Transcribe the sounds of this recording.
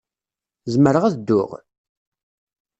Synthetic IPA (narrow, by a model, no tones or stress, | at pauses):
zməɾəʁæðd̪ːʊ̰ʁ